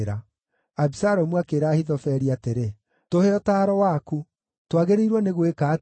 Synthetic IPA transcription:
ɾa | abisaɾomwakeːɾaːhiðɔfɛɾiateɾe | toheɔtaːɾɔwaku | twaɣeɾeiɾwɔneɣwekaː

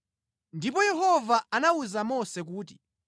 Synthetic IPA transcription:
ndipɔjɛɦɔvaanauzamɔsɛk̬uːti̥

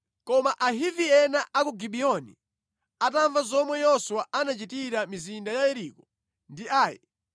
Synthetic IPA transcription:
kɔmaʔaɦiviɛnaʔakuɡiɓiɔnḭ | ataɱvazɔmwɛjɔsuwaʔanat͡ʃitiɾamizindajajɛɾikɔ | ndiaːjɛ̰

